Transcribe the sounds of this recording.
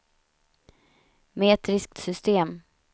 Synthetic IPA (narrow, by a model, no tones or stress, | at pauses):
meːt̪ɾɪsk̚t̪sʏst̪eːm